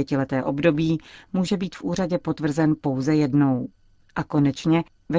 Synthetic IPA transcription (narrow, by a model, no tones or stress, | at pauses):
ɛcɪlɛt̪ɛːʔo̞bdo̞biːmuːʒɛbiːt̪fʔuːraɟɛpo̞t̪vr̩zɛnpo̞wzɛjɛdno̞w | ʔako̞nɛt͡ʃɲɛ | vɛ